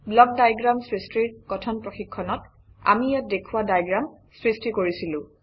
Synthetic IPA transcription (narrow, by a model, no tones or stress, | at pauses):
blɔk̚dajɡɹamsɹistɹiɹkɔtʰɔnpɹɔxikʰːɔnɔt | a̰miat̚dekʰuwadajɡɹamsɹistikoɹisilʊ̃